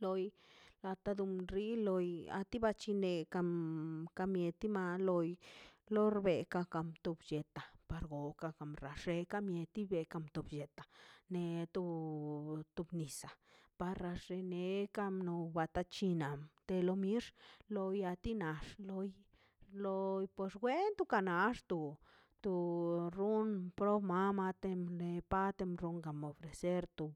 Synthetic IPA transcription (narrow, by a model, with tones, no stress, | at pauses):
lo˧j | la˧t̪a˧d̪u˧mɾi˦lo˧ja̰˧t̪i˦ba˧t͡ʃi˧ne˧ka˧mka˧mje˧t̪i˦ma˧lo˧jlo˦ɾbe˨ka˧ka˧mt̪u˧bje˨t̪a˨pa˧ɾɡo˨ka˧ka˧˨mɾa˨ʂe˧ka˧mje˧t̪i˦be˧ka˧mt̪u˧bʃe˨t̪a˨ne˧t̪u˧ | t̪u˧bni˨sa˨pa˧ɾɾa˧ʂe˧ne˧ka˦mno˧ba˧t̪a˧t͡ʃi˧na˨mt̪e˧lo˧mi˦ʂlo˧ja˧t̪i˦na˨ʂlo˧j | lo˧jpwe˧sɡwe˦nt̪u˧ka˧na˧ʂt̪u˧ | t̪u˧ɾu˦npɾo˦bma˦ma˧t̪e˧mle˧pa˦t̪e˧mɾu˧ŋɡa˨mo˨fɾe˨se˦ɾt̪u˧